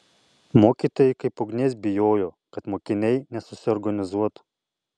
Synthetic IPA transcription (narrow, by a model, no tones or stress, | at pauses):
moːkʲiːˑt̪oːjɛɪkɐɪpɔɡnʲeːsʲbʲɪjoːjoː | kɐt̪moːkʲɪnʲɛɪnʲɛsʊ̥sʲɪɔɾɡɐnʲɪzuɔt̪